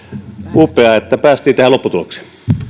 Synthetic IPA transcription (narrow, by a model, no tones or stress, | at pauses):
uːpːˑeɑet̪ːæpæːst̪ˑiːt̪æhællopːut̪uoksi̥